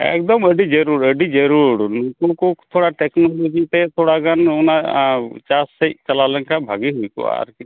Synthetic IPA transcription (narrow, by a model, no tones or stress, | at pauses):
ɛ̰k̚d̪ɔməɖid͡ʒəɾuɾəɖid͡ʒeɾuɽnukokɔt̪ʰoɽaʈɛknɔlod͡ʒit̪ɛt̪ʰoɽaɡanunat͡ʃasːeʔt͡ʃalalɛŋkabʱaɡiɦujkɔ̰a̰ɾki